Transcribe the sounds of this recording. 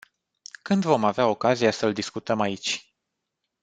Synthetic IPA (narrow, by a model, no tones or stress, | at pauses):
kɨnd̪vo̞maveao̞kazijasəld̪iskut̪əmait͡ʃʲ